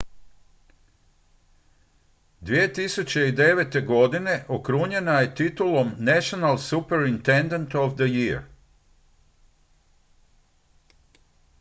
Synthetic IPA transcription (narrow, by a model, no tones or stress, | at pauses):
d̪ʋije̞t̪isut͡ɕe̞id̪e̞ʋe̞t̪e̞ɡo̞d̪ine̞ʔokɾuɲe̞naje̞t̪it̪ulo̞mnɛʃonalsupeɾint̪end̪ent̪oʋd̪əjiɾ